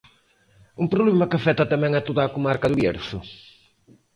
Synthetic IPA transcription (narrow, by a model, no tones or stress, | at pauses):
umpɾoβlɛmɐkafɛt̪ɐt̪amɛŋat̪oðaːkomaɾkɐðʊβjɛ̰ɾsʊ